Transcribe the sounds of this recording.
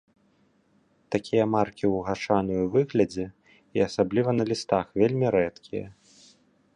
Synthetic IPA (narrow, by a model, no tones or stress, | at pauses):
t̪akʲʰijɐmarkʲiwɣat͡ʂanɨjuvɨɣlʲɐd͡zʲɛ | iɐsablʲivɐnɐlʲist̪axvʲelʲmʲiɾɛt̪kʲijɐ̰